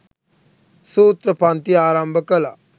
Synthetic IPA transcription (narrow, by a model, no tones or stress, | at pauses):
suːt̪ɾəpant̪iaːɾambʱəkəla